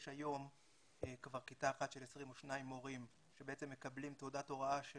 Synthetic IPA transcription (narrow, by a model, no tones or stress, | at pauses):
ʃajo̞m | kvaʁkitaːχatʃelesʁimoʃnaimo̞ʁim | ʃebeet͡se̞mːe̞kablimtodato̞ʁaaʃe